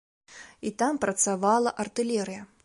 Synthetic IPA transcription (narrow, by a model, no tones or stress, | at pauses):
it̪ampɾɐt̪savalˠɐʔɐrt̪ɨlʲɛɾɨjɐ